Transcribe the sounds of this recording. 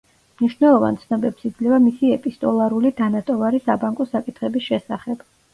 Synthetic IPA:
mniʃwnɛlˠɔva̰nt̪sʰnɔbɛpsid̪zlɛvamisiɛpʼist̪ʼɔlˠaɾulid̪̥anat̪ʼɔvaɾisabaŋkʼɔsakʼit̪ʰχɛbisʃɛsaχɛb̥

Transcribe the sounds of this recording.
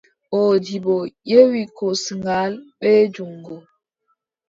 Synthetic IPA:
odibojewikosŋɡalɓed͡ʒuŋɡo

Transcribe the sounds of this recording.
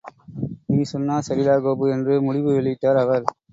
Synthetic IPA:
niːsɔnːaːsɐɾɪlaːɣoːbɯɛndrɯmʊɽɪʋɯʋɪɭɪt̪ːaːɾɐʋɐɾ

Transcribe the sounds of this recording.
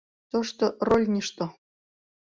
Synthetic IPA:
t̪ɤ̆ʂt̪ɤ̆rolʲnʲiʂt̪ɤ̆

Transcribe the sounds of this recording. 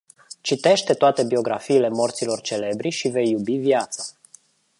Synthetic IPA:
t͡ʃit̪e̞ʃt̪e̞t̪oat̪e̞bio̞ɡɾafiːle̞mo̞rt̪silo̞rt͡ʃe̞le̞bɾiʃive̞jːubivjat̪sa

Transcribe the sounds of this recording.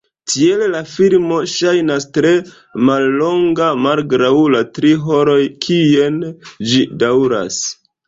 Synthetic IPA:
tʰiellafilmo̞ʃajnastɾe̞ | malːo̞ŋɡamalɡɾawlatɾiɦo̞ɾo̞jkʰiend͡ʒidawɾa̰s

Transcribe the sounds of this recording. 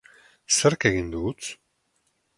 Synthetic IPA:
seɾkeɣind̪ut͡s

